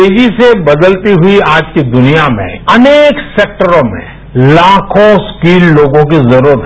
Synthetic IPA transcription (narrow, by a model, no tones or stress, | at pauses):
eːd͡ʒisebɐd̪əlt̪iɦʊiaːd͡ʒkid̪ʊnijamḛ̃ɐneːkseːk̚ʈəɾõmḛ̃ | laːkʰõskiːlːoːɡõkizɐɾuːɾət̪